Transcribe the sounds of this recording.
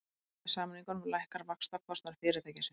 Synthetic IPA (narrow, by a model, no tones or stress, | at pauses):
saːmaniŋkɔnlajhkaɾvakst̪akʰvɔst̪naɾ̥fɪɾɪɾ̥t̪ʰajcɪsɪ